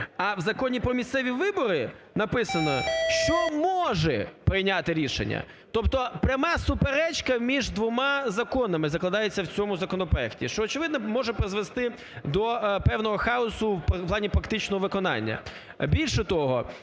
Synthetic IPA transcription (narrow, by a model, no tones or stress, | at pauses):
ɐwzɐkɔnʲipɾɔmʲisʲt̪sɛʋʲiʋɪbɔɾɪ | nɐpɪsɐnɔʃt͡ʃɔmɔʒɛpɾɪjnʲat̪ɪɾʲiʃḛnʲːɐ̰ | t̪ɔpt̪ɔpɾʲɐmɑsʊpeɾɛt͡ʃkɐmʲiʒd̪ʋɔmɑzɐkɔnɐmɪzɐklˠɐd̪ɑjet͡sʲːɐwt͡sʲɔmʊzɐkɔnɔpɾɔɛktʲiʃt͡ʃɔːt͡ʃɪʋɪd̪nɔmɔʒɛpɾezʋest̪ɪ | d̪ɔpɛwnɔɦɔxɑɔsʊwplˠɑnʲipɾɐkt̪ɪt͡ʃnɔɦɔʋɪkɔnɑ̰nʲːɐ̰ | bʲilʲʃɛt̪ɔɦɔ̰